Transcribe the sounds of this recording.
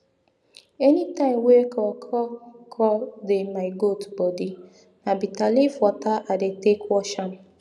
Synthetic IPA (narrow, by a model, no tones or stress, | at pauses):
ɛnitãɪ̃wekɔkʰɔkʰɔldemaɡotbɔdi | nabitalifɔtaʔadetekwɔʃɔn